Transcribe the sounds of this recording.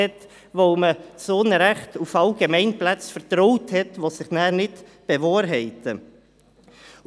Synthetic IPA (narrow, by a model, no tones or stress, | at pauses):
ɛt | ʋoʊməsoːnəɾæχtufɑlɡ̥emɛɪnplæt͡sfəɾtɾɔʊthɛtʋosɪχnæːɾnɪtb̥eʋɑːɾɦɛɪtə